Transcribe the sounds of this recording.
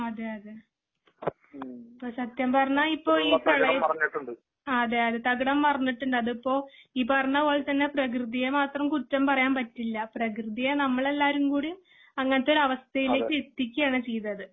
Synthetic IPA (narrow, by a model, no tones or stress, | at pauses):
ɐðeɐðe | ipːɐːsɐt̪jɐmpɐrɐɲːaipːo̞ːiːkɐɭɐɐɐɐɲːiʈːuɳɖɨ | ɐðeɐðet̪ɐɡɐɽɐmːɐrɐɲːiʈːuɳɖɐðipːo̞ːiːpɐrɐɲːɐpoːɭt̪ɐnːe̞prɐk̬rɨðijɐmaːt̪rɐmkutːɐmpɐrɐjaːmpɐtːilːɐprɐkrɨðijɐnɐmːɐɭe̞lːaːɾumkuːɽi | ɐŋːɐnɐtːo̞ɾuɐʋɐst̪ʰɐjile̞ːkːɨet̪ːikʲːujaːɳɨt͡ɕe̞jðɐðɨ